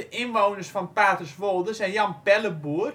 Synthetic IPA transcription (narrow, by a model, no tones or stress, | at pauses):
əʔɪnʋownərsfɔnpaːtəsʋolˠdəsɛnjɑnpɛləbuər